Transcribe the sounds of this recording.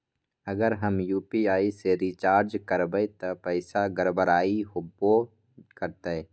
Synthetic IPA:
əɡəɾɦəmjuːpiaːiseɾit͡ʃaːɾd͡ʒkəɾbet̪ɐpɛːsaɡəɾbəɾaːiɦobo | kəɾt̪e

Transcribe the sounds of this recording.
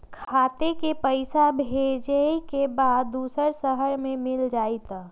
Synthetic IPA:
kʰkʰaːt̪ekepəɪsabʱed͡ʒəikebaːd̪̚d̪ːuːsəɾsəɦəɾmẽmɪld͡ʒaːit̪

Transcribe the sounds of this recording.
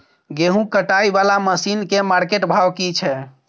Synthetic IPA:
ɡeɦũkəʈaibalaməsinkemaɾkeʈbʱabkit͡ʃʰɛ

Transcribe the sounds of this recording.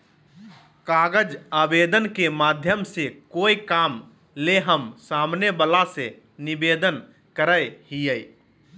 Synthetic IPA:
kaɡəd͡ʒabed̪ənkemad̪ʱjəmsekoikam | leɦəmsamnebalase | nibed̪ən | kəɾəjhijəj

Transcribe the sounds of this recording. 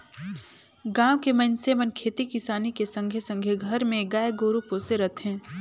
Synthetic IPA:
ɡãːʋkemɐnsemənkʰeːt̪ikɪsaːnikesə̃ŋɡʱjəsə̃ŋɡʱjəɡʱɐɾmẽɡaːeɡoːɾupoːseɾɐt̪ʰɦɛ̃ː

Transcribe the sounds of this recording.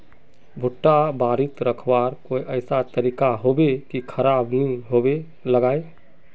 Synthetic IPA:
bʱʊʈːabaɾit̪ɾəkʰbaɾkoiʔəɪsat̪əɾikaɦobekikʰəɾabniɦobe | ləɡaːe

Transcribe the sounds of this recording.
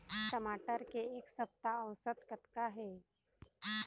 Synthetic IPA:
ʈəmaʈəɾkeːksəp̚t̪aəʋsət̪kət̪kaɦe

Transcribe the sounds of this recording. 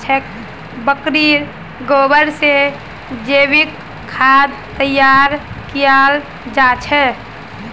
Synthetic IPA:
t͡ʃʰɛk | bəkɾiɾ | ɡoːbəɾse | d͡ʒeːbikʰː | aːd̪̚ | t̪əjaːɾkijaːl | d͡ʒat͡ʃʰɛ

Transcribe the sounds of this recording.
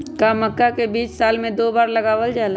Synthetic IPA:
kaməkːakebiːt͡ʃsaːlmẽd̪oːbaːɾlɐɡaːʋəld͡ʒaːla

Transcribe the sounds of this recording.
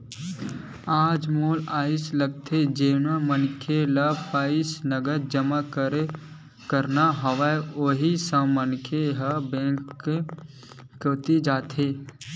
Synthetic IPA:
aːd͡ʒmoːlaːɪsləɡt̪ʰed͡ʒeːnamənkʰelapaːɪsnəɡəɾd͡ʒəmakəɾe | kəɾnaɦɐʋaeoɦisə̃mənkʰeɦəbẽːŋkːe | ət̪id͡ʒaːt̪ʰeː

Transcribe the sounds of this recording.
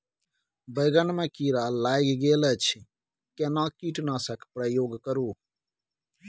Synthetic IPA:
bɐjɡɐnmẽkiːɾaːlaːjɡɡeːlət͡ʃʰ | kenãːkiːʈnaːsɐkʰpɾɐjoːɡkɐɾuː

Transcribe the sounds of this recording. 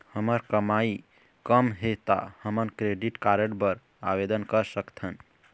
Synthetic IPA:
həməɾkəmai | kəmɦet̪a̰həmənkɾeɖiʈkaɾəʈbəɾ | a̰bed̪ənkəɾsəkt̪ʰən

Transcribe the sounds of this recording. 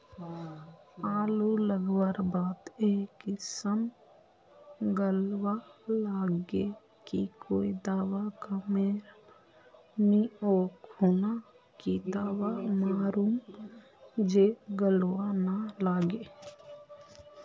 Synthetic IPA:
aːluləɡwəɾbaːt̪eːkisəm | ɡəlwalaːɡe | kḭkʰoːid̪aːwakameːɾ | mioːkhona | kid̪aːwamaːɾuːm | d͡ʒeɡəlwanalaːɡeː

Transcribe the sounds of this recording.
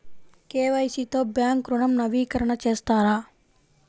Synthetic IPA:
keːʋɐjsit̪o̞ːbjaːŋkɾuɳɐmnɐʋiːkɐɾɐɳɐt͡ʃeːst̪aːɾaː

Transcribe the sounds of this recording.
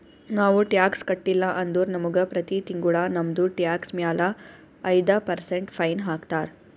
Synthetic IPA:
naːʋuʈjaːkskɐʈːilːaʔɐnd̪uːɾnɐmuɡəpɾɐt̪it̪iŋɡuɭanɐmd̪uʈjaːksmjaːla | ɐjd̪apɐɾseɳʈfɐjnɦaːkt̪aːɾ

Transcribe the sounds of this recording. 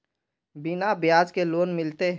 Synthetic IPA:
bɪnabjaːd͡ʒkeloːnmɪlt̪e

